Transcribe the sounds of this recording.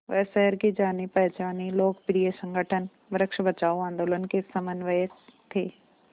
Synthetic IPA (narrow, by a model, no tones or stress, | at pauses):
ʋɛːsɛɦəɾkid͡ʒaːnipɛɦt͡ʃaːniloːkpɾiesə̃ŋɡʱəʈʰən | ʋɾəkʃbət͡ʃaːoãːnd̪oːlənkesɐmənʋəjəkt̪ʰeː